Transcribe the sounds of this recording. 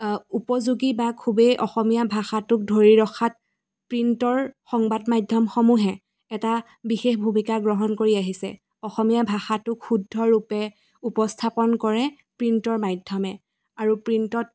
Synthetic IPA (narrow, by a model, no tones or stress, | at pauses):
upɔzuɡibakʰubejʔɔxɔmijabʱaxatʊk̚dʱoɹiɹɔxʰat | pɹintɔɹxɔŋbadmajdʱːɔmxɔmuɦɛ | ɛta | bixexbʱumikaɡɹɔɦɔnkoɹiaɦisɛ̰ | ɔxɔmijabʱaxatʊkxudʱːɔɹupɛ | upɔstʰapɔnkɔɹɛ | pɹintɔɹmajdʱɔmɛ | aɹupɹintɔt̚